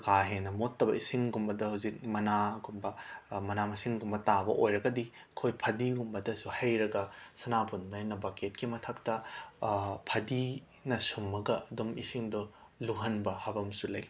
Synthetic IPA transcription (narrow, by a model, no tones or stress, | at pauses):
kaɦenɐmotːɐbɐ̰isiŋɡumbɐdɐhawzik̚mɐnaɡumbɐmɐnamɐsiŋɡumbɐtabɐ̰ʔojɾɐɡɐdi | kʰojpʰɐdiɡumbɐdɐsuhɐjɾɐɡɐsɐnapʰundɐnɐbaket̚kimɐtʰɐk̚tɐ | pʰɐdi | nɐsumːɐɡɐɐdumisiŋdo | luɦɐnbɐhɐbɐmsulɐj